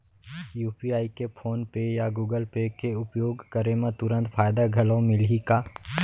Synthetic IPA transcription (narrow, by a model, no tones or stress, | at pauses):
juːpiaːikepʰoːnpejaɡuːɡəlpekeʊpjoːɡkəɾemẽt̪ʊɾə̃nt̪pʰaːjd̪aɡʱɐlõmɪlikaː